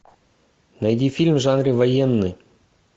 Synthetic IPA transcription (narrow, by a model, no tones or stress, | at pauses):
nɐjd̪ʲifʲilʲmʐɑnrʲɨvɐjenːɨ